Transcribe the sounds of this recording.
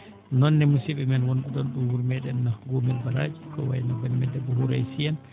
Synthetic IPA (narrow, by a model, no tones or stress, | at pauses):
nɔnːɛmusibɛmɛnwonɗuɗɔnɗumwuɾmɛɗɛnːaɡuːmilbaɾad͡ʒikɔ̰wa̰jnabanmɛdɛbɔɦuɾajsiɛn